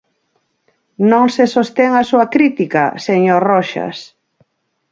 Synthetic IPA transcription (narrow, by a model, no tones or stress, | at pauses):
nõŋsesost̪ɛŋasuakɾit̪ika̰seɲorɔʃa̰s